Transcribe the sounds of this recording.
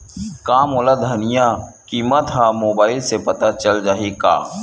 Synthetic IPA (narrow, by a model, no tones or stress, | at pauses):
kaːmoːlad̪ʱɐnɪjãkiːmət̪ɦãmoːbaːɪlsepɐt̪at͡ʃɐld͡ʒaːɦika̰ː